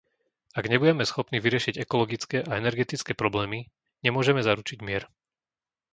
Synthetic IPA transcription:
aɡɲɛbuɟɛmɛsxɔpniːʋiɾɪɛʃiɟɛkɔlɔɡit͡skɛʔaɛnɛɾɡɛt̪it͡skɛːpɾɔblɛːmi | ɲɛmʊɔʒɛmɛzaɾut͡ʃiɟmɪɛɾ

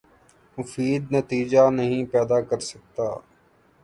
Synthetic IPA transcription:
mʊfiːd̪nət̪iːd͡ʒanəɦĩpɛːd̪aːkəɾsək̚t̪aː

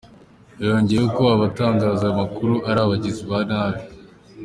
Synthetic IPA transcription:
jo̞ːɲɟejeokoβaβataːŋɡaːziamakuɾuʔaɾaːβaɟiziβanaːɾi

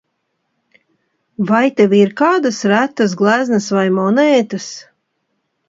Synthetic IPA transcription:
vajt̪eviɾkaːd̪asɾæt̪ːas̬ɡlˠæznɨsvajmɔnɛːt̪as

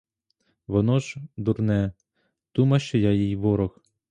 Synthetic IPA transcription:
ʋɔnɔʒd̪urnɛ | d̪̥umɐʃt͡ʃɔjajijʋɔɾɔx

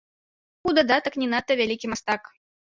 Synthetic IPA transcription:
ud̪ad̪at̪ɐknʲɛnat̪ːɐvʲalʲikʲimast̪ak

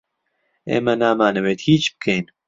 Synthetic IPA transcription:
ḛːmɛnaːmaːnɨweːt̪hiːt͡ʃb̥ɨ̥kʰejn

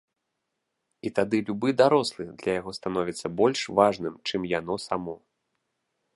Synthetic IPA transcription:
it̪ad̪ɨlʲubɨd̪aɾɔslˠɨd̪lʲɐjaɣɔst̪anɔvʲit̪sːɐbɔlʲʂvaʐnɨmt͡ʂɨmjan̪ɔsamɔ

